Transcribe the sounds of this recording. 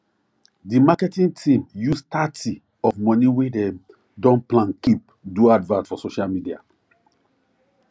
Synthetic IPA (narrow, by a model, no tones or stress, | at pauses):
dimakɛtĩntʰĩmjustati | ɔfmɔ̃niwede | dɔ̃nplãnkip̚ | duadvãnsfɔsoʃalmidia̰